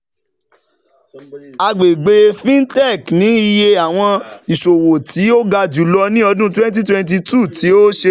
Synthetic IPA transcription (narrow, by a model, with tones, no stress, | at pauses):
a˧ɡ͡be˨ɡ͡be˧fĩ˦n˦tɛ˦˨knĩ˨˦i˧je˧a˨w̃ɔ̃˧i˨ʃo˨wo˨tʰi˨˦o˦ɡa˧d͡ʒu˨˦lɔ˧nĩ˦ɔ˧dũ˦twɛ̃˦nt̬i˦twɛ̃˧nt̬i˧tu˦˨tʰi˨˦o˦ʃe˧